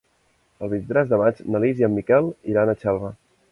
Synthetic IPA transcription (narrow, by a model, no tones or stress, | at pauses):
əlˠβint̪ɾɛzðəmad͡ʒnəliziəmːikɛlˠiɾanət͡ʃɛlˠβə